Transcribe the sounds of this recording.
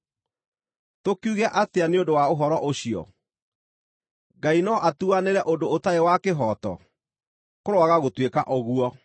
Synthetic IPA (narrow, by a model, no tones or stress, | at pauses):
tokuɣɛʔateaneondowaoɦɔɾɔʔoɕiɔ̰ | ɡainɔʔatuaneɾɛʔondoːtaewakeɦɔtɔ̰ | koɾoaɣaɣotweka̰ʔɔɣuɔ